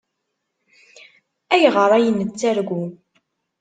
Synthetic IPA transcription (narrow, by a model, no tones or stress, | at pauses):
æʝʁəɾˤæjənːət͡sːæɾɡʷu